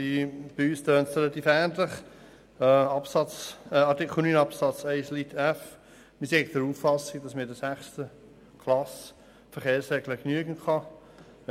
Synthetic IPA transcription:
ib̥yːstøːnsʁɛlɑt̪iːfæːndləχ | ɑpsɑt͡sɛɑɾtikχl̩nyːnɑpsɑt͡sɛɪslitʰæf | misek̚d̥əɾuːfːɑsɪɡd̥ɑsmədəsæχstə | kʰlɑs | fəɾχeːɾsʁɛɡləknyəɡənkʰɑ

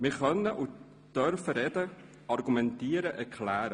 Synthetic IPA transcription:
mɪχœnːəʔu | d̥œɾfəɾɛdə | ɑɾɡumɛntiːəɾəʔɛɾkʰlæːɾə

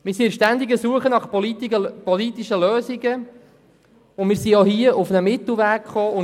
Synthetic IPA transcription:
mɪːɾsiəʃtænd̪iɡəsuəχənɑχ | pɔlit̪iʃəløːsiɡə | ʊnmɪːɾsiohiəʔufnəmɪt̪l̩ˠvæːkχoːʊ

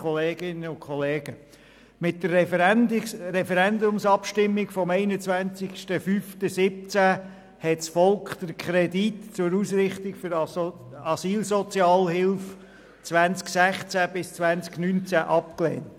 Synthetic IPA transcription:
ɔleːɡ̥ɪnːəʊnkʰχɔleːɡ̥ə | mɪtdər | ɾɛfɛɾɛnd̪ʊmsɑpʃtɪmːɪɡfɔmɛɪnət͡svænt͡sɪkʃtəfyːftəsɪp̚t͡sæ | hɛtsfɔlkχd̥̪əɾkʰɾɛditt͡sʊɾuːsɾɪχtɪkfʏɾ | ɑsiːlsɔt͡sjɑːlɦɪlf | t͡sʋænt͡sksæχt͡sæb̥ɪst͡svʋænt͡sknynt͡sæʔɑpklɛ̰ːnt

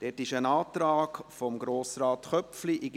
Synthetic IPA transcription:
d̥ɛtɪʃənɑːt̪ɾaːkfɔmɡɾoːsɾɑːtχœpfliʔɪɡ

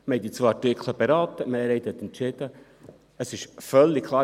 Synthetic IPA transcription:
məɛt̪it͡sʋɑɾtɪkʰləbɛɾɑːt̪əməɛɾeɪt̪hɛt̪ɛntt͡ʃɪd̥̪ə | əsɪʃfœlːikkʰlˠɑː

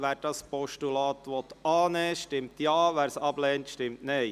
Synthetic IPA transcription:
ʋæːɾd̥ɑspɔʃtulɑːt̪ʋɔt̪ɑːnɛːʃtɪmt̪jɑːʋæːɾsɑblɛːntʃtɪmtneɪ

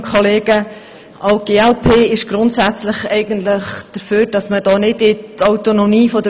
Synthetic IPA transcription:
kʰoleːɡə | ʔɑʊɡ̥eːɛlpʰeːɪʃɡ̥ɾʊntsæt͡slɪχɛɪɡ̥əntlɪχd̪̥əɾføːɾd̥ɑsməd̥ɑːnɪdɪtaʊtonomiːfɔdə

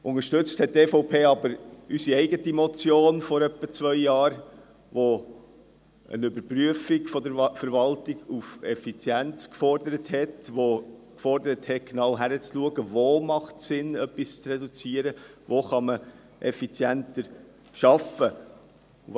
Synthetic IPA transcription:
ʔʊŋəɾʃtɵt͡sthɛt̚tɛːfɔʊpʰeːɑbəɾysiɛɪɡətimɔt͡sjoːnfɔɾœpːət͡svœʏjɑːɾ | ʋo | ə̰nʏbəɾpɾyəfiɡfɔdəɾfəɾʋɑltiɡufɛfit͡sjɛnt͡skfɔrdəɾəthɛtʋokfɔɾdəɾəthɛt̚ɡ̥nɑwɦæɾət͡sluəɡəvomɑχtsɪnœpːist͡srɛdut͡siəɾəvoχɑmə | ʔɛ̰fit͡sjɛntəɾ | ʃɑfə

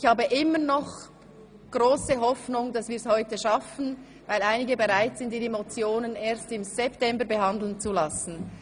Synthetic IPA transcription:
ɪçhaːbəʔɪmənɔχ | ɡ̥ʁoːsəɦɔfnʊŋd̥ɑsv̥iːɾshɔʏtəʃɑfən̩ | vaɪlaɪnɪɡəbeʁaɪtz̥ɪntiemot͡sjoːnəneːɐstɪmz̥ɛptɛmbəɾbəɦɑnd̪l̩nt͡sulɑsn̩

